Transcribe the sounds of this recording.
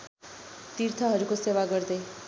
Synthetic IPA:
t̪iɾt̪ʰʌɦʌɾukosewaɡʌɾd̪e

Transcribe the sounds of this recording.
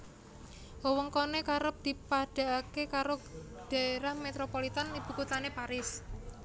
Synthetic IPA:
wɔwɔŋkonekaɾəp̚d̪̥i̤paɖ̥a̤akekaɾo | ɖ̥a̤eɾahmet̪ɾopolit̪anib̥ṳkut̪anepaɾɪs

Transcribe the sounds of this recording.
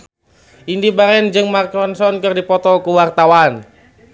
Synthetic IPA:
ʔindibaɾɛnd͡ʒɨŋmarkɔnsɔnkɨrdipɔt̪ɔlkuwart̪awan

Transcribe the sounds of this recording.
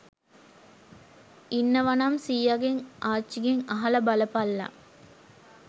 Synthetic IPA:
inːəʋanamsiːjaɡeŋʔaːt͡ʃːiɡeŋaɦɐləbaləpalːa̰

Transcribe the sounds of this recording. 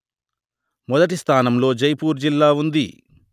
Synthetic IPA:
mɔd̪ɐʈ̬ist̪ʰaːnɐmlo̞ːd͡ʒɐjpuːɾd͡ʒilːaːund̪ḭ

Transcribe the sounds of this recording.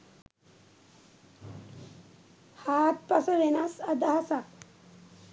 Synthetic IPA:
haːt̪̚pasəʋenasad̪aɦasa

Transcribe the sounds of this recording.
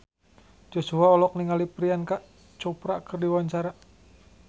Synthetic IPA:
d͡ʒosuaɔlɔk̚niŋalipɾiankaʔ | t͡ʃopɾakərdiwaɲt͡ʃaɾa

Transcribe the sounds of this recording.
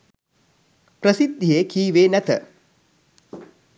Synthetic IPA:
pɾəsid̪ʱijeːkʰiːʋeːnæt̪ə

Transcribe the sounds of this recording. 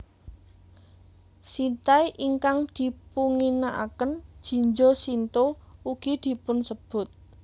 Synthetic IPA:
sint̪aiʔiŋkaŋd̪̥i̤puŋinaʔa̰kənd̥ʒ̥i̤ɲd͡ʒosint̪ouɡ̥id̪̥i̤pʊnsəb̥ʊ̤t̪̚

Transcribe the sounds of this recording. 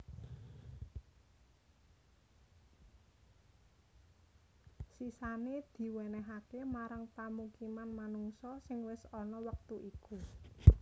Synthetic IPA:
sisaned̪̥i̤wɛnɛɦakemaɾaŋpamukimanmanuŋsɔsɪŋwɪsɔnɔwək̚t̪uʔiku

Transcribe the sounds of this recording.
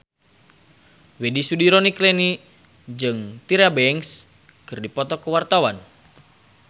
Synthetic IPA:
wedisudiɾoniklɛni | d͡ʒɨŋt̪iɾabɛɛŋs | kɨrdipɔt̪ɔkəwart̪awan

